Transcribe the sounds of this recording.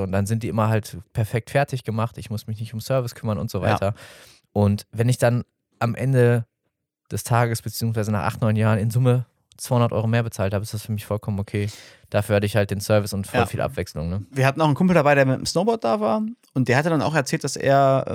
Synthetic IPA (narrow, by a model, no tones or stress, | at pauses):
ʊntd̥anzɪntd̥iːʔɪmɐɦaltpʰɛɐfɛk̚tfɛɐtʰɪçɡ̥əmaχtɪçmʊsmɪçnɪçtʊmsœɐvɪskʰʏmɐnʊ̰ntz̥ova̰ɪtʰɐ | ʔʊntvɛnɪçd̥an | ʔamʔɛ̰ndə | d̥ɛstʰaːɡəsb̥ət͡siːʊŋsvaɪzənaːχʔa̰χtnɔʏnjaːʁənɪnzʊmə | t͡sv̥aɪhʊnɐtʔɔ̰ʏʁomeːɐbət͡saːlthaːbəɪstd̥asfyːɐmɪçfɔlkʰɔmənokʰeː | d̥afyːɐhatəɪçhalt̚d̥eːnsœɐvɪsʊntfɔlfiːlʔa̰pv̥ɛkslʊŋnəviːɐhatn̩aʊxn̩kʰʊmpl̩dabaɪɾeːɐmɪtə̰msnoʊbɔt̚d̥aːvaːɐʔʊntd̥eːɐhatədana̰ʊxɛɐt͡sɛːlt̚d̥asʔḛːɐ